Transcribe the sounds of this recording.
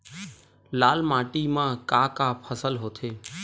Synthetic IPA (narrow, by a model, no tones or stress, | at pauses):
laːlmaːʈiːmãːkaːkaːpʰəsəlɦoːt̪ʰeː